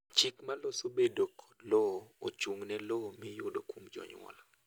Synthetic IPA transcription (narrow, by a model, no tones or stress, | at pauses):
t͡ʃɪkmalosobedokʰɔ̥lɔot͡ʃuŋnɛlomɪjodokwomd͡ʒɔ̰ɲwɔ̰la